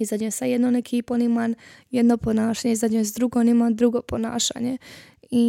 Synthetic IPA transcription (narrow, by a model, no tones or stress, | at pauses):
izad̪ɲesajed̪nonekʰiponimanjed̪noponaːʃaːɲeizad̪ɲems̬d̪ɾuɡonimand̪ɾuɡopona̰ːʃa̰ːɲe | i